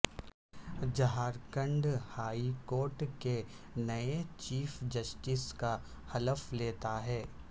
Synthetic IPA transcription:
d͡ʒɐɦaːɾkə̃ɳɖhaːikoːɾʈke | nɐet͡ʃiːfd͡ʒɐsʈɪska | hɐləfleːt̪aɦɛː

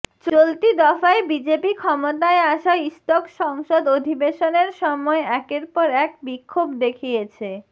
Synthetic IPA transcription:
t͡ɕolt̪id̪ɔfaebid͡ʑepikʰɔmot̪aeaʃaist̪okʃɔŋʃod̪od̪ʱibeʃoneɾʃɔmɔeɛkeɾpɔɾɛk̚bikʰːobd̪ekʰijet͡ɕʰe

